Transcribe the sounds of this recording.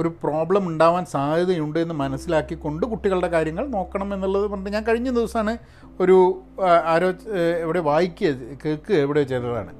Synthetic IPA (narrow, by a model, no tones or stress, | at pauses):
o̞ɾupro̞ːbɭɐmuɳɖaːʋaːnsaːd̪ʱɐðɐjuɳɖɨe̞nːɨmɐnɐsːilaːkːiko̞ɳɖɨkuʈːiɣɐɭɽe̞kaːɾjɐŋːɐɭno̞ːkːɐɳɐme̞nːuɭːɐðɨpɐʈːɨɲaːnkɐɻiɲːɐnd̪iʋɐsɐmaːɳɨ | o̞ɾuaːɾo̞ːeʋiɽe̞ʋaːjikʲːɨjɐkeːkːɨeʋiɽet͡ɕe̞jt̪ːɐða̰ːɳɨ̰